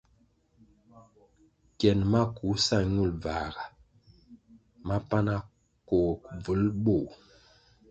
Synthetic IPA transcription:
kjɛ˨nma˦ku˨˦sa˦˨ɲu˦˨lva˨ɡa˨ | ma˦pa˦na˦ | kɔ˨k̚b͡və˨˦lɓo˦˨

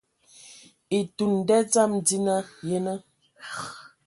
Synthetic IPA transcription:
i˨tu˨n̩˨dɛ˦d͡za˦˨mdi˦na˦je˦nə˦˨

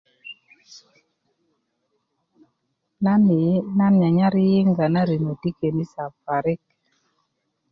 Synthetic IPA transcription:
na˦nɲa˨ɲa˦ɾɪ˦jɪ˦ŋɡa˨na˦ɾi˨ŋo˨ti˦ke˨ni˦sa˨pa˨ɾɪ˦k̚

